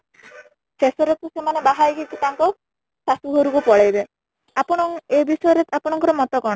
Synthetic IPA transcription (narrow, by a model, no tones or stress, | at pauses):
sesɔɾet̪usemanebaɦaiɡit̪it̪aŋkɔ | sasuɦoɾukupɔɭejbe | apɔɽ̃ɔŋebisɔjɔɾet̪apɔɽ̃ɔŋkɔɾɔmɔt̪ɔkɔɽ̃